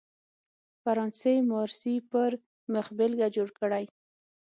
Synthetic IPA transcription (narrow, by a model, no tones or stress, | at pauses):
faɾɑnsejmɑɾsipəɾ | mʊxbɪlɡad͡ʒoɽkəɽaj